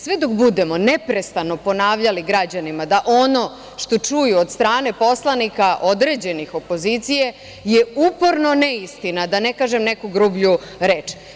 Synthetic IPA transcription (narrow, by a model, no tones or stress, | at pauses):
sʋed̪o̞kbud̪e̞mo̞nepɾe̞st̪ano̞po̞naːʋʎaliɡɾad͡ʑanimad̪aʔo̞no̞ | ʃt̪o̞t͡ʂujuod̪st̪ɾaːne̞po̞slˠanikaʔo̞d̪ɾe̞ːd͡ʑe̞nixo̞po̞zit̪sije̞ | jeupo̞ɾno̞neist̪inad̪anekaːʒemnekoɡɾubʎuɾeːt͡ʃ